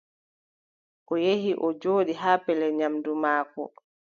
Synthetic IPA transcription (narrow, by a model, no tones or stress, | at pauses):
ʔɔjeɦiʔɔd͡ʒoːɗiɦaːpɛlɛɲamdumaːkɔ̰